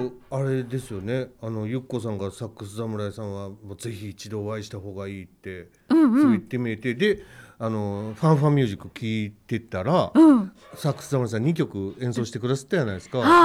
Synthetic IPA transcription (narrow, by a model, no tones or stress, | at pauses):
aɾe̞d̪e̞sɨjo̞ne̞ano̞jɯ̟kːo̞sãŋɡasakːɯ̟sɨzamɯ̟ɾaesãɰ̃βamo̞ːze̞çiːt͡ɕid̪o̞ːβaiɕi̥t̪aɦo̞ːɡaiːt̪ːẽ̞ | soit̪ːe̞mʲie̞t̪e̞d̪e̞ano̞ɸãɰ̃ɸãmʲɨ̟ːʑikːɯkʲiːt̪e̞t̪aɾaɯ̃ | sakːɯ̥sɨzamɯ̟ɾaes̬ãɲ̟ikʲo̞kɯ̟ẽ̞so̞ːɕi̥t̪ekɯ̟d̪asḁt̪ːajanaisɨ̥kaa